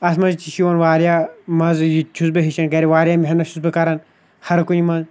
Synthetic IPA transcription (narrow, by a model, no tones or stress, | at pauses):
ɐsmɐzt͡ʃiʃiʋɐnʋaːɾjaːmɐzjit͡ʃʰusbɨɦiʃɐnkɐɾiʋaːɾʲijaːmiɦʲɐnɐʃʰusbɨkɐɾɐn | hɐɾkunimɐz